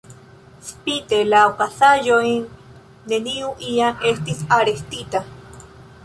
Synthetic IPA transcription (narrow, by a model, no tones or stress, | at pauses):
spit̪elawkasajoin | neniuʔiaest̪isaɾest̪it̪a